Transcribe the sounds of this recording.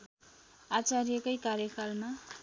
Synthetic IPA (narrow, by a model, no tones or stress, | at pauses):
at͡sarijekʌjkarjʌkʰalma